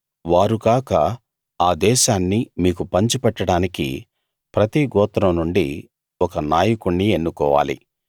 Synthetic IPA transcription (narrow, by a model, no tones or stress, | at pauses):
ʋaːɾukaːkɐ | aːd̪ɛːʃaːnːimiːkupɐɲt͡ʃupɛʈːɐɽaːnikḭ | pɾɐt̪iɡɔːt̪ɾɐmnuɳɖi | ɔkɐnaːjɐkuɳːie̞nːukɔːʋa̰ːlḭ